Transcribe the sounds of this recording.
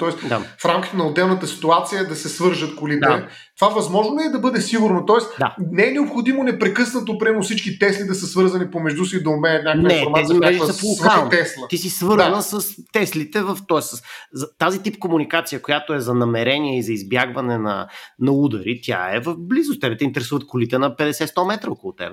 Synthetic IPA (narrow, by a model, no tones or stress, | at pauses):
t̪ɔɛst̪d̪afɾamkʲit̪ɛnɐʊd̪ɛlˠnət̪əsi̥t̪uat̪sijəd̪ɐsɛsvɤɾʒət̪kolit̪d̪a | t̪vavɐzmɔʒnoɛd̪ɐbɤd̪ɛsiɡʊɾnot̪ɔɛsd̪a̰nɛɛnɛopxʊd̪imonɛpɾɛkɤsnət̪opɾɛmosit͡ʃkit̪ɛslid̪ɐsəsvɤɾzɐnipomɛʒd̪usid̪ɐʊmɛnət̪̚ɲʲaknɛɾmɛzimɾɛʒiɐpolˠovkalˠnt̪ɛslˠət̪isisvɤɾnəsəst̪ɛslit̪ɛvəft̪ɔɛsəszɐt̪azit̪ip̚komunikat̪sijəkojat̪oɛzɐnɐmɛɾɛniɛizɐizbjaɡvɐnɛnɐ̰nɐud̪ɐɾit̪ʲja̰ɛ̰vəfblizʊst̪ɛbɛt̪ɛint̪ɛɾɛsuvət̪̚kʊlit̪ɛnɐpɛd̪ɛsɛt̪st̪ɔmɛt̪ɾəɔkʊlˠʊt̪ɛ̰bɛ